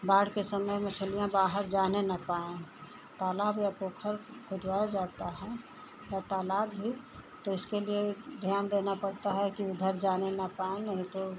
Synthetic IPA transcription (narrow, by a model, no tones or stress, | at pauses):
baːɽkesəməməsəlijãbaːɦəɾd͡ʒaːnenɐpaːẽ | t̪aːlaːbjapoːkʰəɾkʰʊd̪waːjad͡ʒaːt̪aɦɛ | jat̪aːlaːbbʱi | t̪oɪskelied̪ʱjaːnd̪enapəɽt̪aɦɛkiʊd̪ʱəɾd͡ʒaːnenɐpaːẽnɐɦĩt̪o